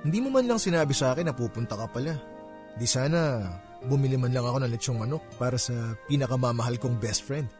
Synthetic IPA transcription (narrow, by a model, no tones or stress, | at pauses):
hɪnd̪iːmomɐnlɐŋsɪnaːbɪsɐʔaːkɛnːɐpuːpʊnt̪ɐkɐpɐla | hɪnd̪isaːnɐ | bʊmɪlimɐnlɐŋɐko̞nɐŋlɛt͡ʃoŋmɐno̞k̚paːɾɐsɐpiːnɐkɐmɐmɐɦalkoŋbɛst̪̚fɹɛnd̪̚